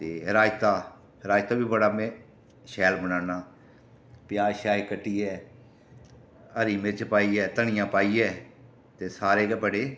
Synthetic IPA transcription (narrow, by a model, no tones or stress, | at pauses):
t̪eːɦɪɾaːjt̪aː | hɪɾaːjt̪aːbiːbəɽaːmẽː | ʃɛːlbənaːnaː | pjaːʃaːekəʈːiːɛː | əɾiːmɪt͡ʃpaːiːɛːt̪əɽ̃ɪjãːpaːiːɛː | t̪eːsaːɾeːkeːpəɽeː